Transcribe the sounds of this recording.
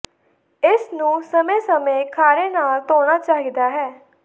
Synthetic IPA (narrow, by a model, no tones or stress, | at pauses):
ɪsnũːsəmẽːsəmẽːkʰaːɾeːnaːlt̪oːñaːt͡ʃaːɦid̪aːɦɛː